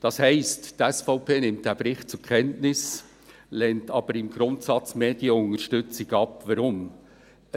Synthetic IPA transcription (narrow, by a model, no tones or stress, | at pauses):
d̥ɑshɛɪsttɛsfɔʊpʰeːnɪmtd̥æb̥ɾɪχtt͡sʊɾkʰɛntnɪs | lɛntɑb̥əɾɪmɡɾʊntsɑt͡smeːdiəʊŋəɾʃtʏt͡sɪɡɑpvəɾʊm